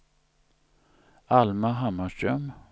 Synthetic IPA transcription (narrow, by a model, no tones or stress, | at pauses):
almaɦamːaʂʈɾœm